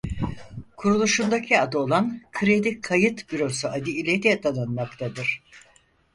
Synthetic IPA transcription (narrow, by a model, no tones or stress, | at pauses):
kʰuɾulˠuʃund̪acʰiad̪o̞lˠankʰɯɾe̞d̪ikʰajɯt̪biɾo̞suad̪iilʲet̪ɛd̪anˠanmakt̪ʰad̪ɯɾ̥